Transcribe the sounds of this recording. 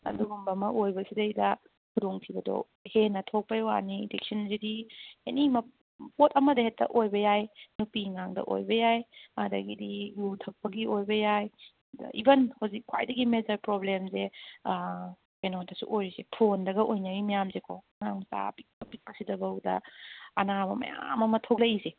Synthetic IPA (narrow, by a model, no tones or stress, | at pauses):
ɐ̰duɡumbɐmɐʔojbɐsidɐjdɐ | kʰudoŋpʰibɐdo̰ | henɐtʰok̚pɐjwa̰niidek̚sɐnzidienimɐ | potɐmɐdɐhetːɐ̰ʔojbɐjajnupiŋaŋdɐ̰ʔo̰jbɐjajɐdɐ̰ɡidiɡutʰɐk̚pɐɡiojbɐjaj̰ | ḭbɐnhozikʰːwa̰jdɐɡimezɐɾpɾoblemze | enotɐsṵʔojɾisepʰondɐɡɐʔojnɐɾimɐjamzekʰo | ŋaŋsa̰pik̚pɐpik̚pɐsidɐbɐwdɐ̰ɐnabɐmɐ̰ja̰mɐmɐtʰok̚lɐjise